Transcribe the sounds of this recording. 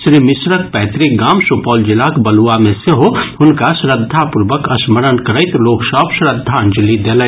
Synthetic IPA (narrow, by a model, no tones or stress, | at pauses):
ʃɾiːmɪsɾək̚pɛːt̪ɾɪɡaːmsupɔːld͡ʒɪlaːkbɐluamẽseɦoʊnkaʃɾəd̪ʱːapʊɾʋəkɐsməɾənkɐɾəɪt̪loːksɔːpʃɾəd̪ʱːand͡ʒlid̪elə